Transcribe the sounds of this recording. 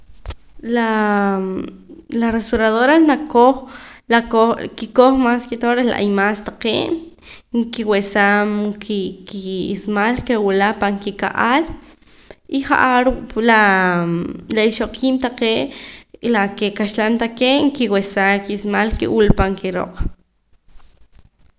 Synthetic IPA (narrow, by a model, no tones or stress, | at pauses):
la | larest̪oɾaðoɾanakoχlakokikoχmaskit̪oɾela̰ʔa̰jmast̪aqḛːʔ | ŋkiwesamkʰikiismalkewulapaŋkika̰ʔal | iχa̰ʔaɾukla | laiʃoqʰiːmt̪aqeːʔlakekaʃlamt̪aqeːʔŋkiwesakiismalkḛwulpaŋkiɾo̰qʼ